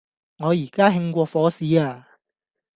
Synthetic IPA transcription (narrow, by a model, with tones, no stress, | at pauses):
ŋɔː˨˧jiː˨˩kaː˥ɦɪ˧ŋkʷɔː˧fɔː˨˥siː˨˧aː˧